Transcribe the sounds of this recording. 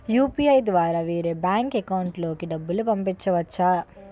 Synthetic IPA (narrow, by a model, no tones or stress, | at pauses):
juːpiɐjd̪ʋaːɾaʋiːɾebaːŋkekɐwuɳʈloːkiɖɐbːulupɐmpit͡ʃːɐʋɐt͡ʃːa